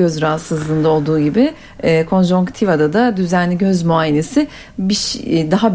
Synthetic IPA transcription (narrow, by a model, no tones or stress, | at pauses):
øzɾaɦasɯzlˠɯːnd̪ao̞lˠd̪uːɟibɪː | kʰo̞nʒoŋkt̪ʰivad̪ad̪ad̪yzænlʲiɟøzmuajene̞sɪ | biʃd̪aɦab